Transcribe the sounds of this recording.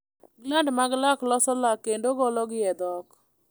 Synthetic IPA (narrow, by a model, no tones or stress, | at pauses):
ɡlandmaɡlaklɔsɔlakendoɡɔlɔɡɪɛd̪ɔk